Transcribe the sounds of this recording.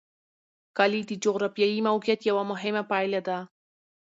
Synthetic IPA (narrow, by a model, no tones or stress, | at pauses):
kalid̪əd͡ʒoɣɾafijajimawkijat̪jawamʊɦɪmapajlad̪a